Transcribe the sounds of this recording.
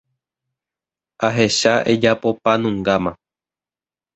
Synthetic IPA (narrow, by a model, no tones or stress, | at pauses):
aɦe̞ʃaʔed͡ʒapo̞panũŋɡamã